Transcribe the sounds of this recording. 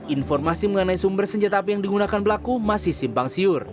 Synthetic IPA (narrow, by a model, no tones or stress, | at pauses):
ʔinfɔrmasiməŋənaisumbərsəɲd͡ʒat̪aːp̬ijaŋdiɡunakanbəlakumasɪhsimpaŋsiʊr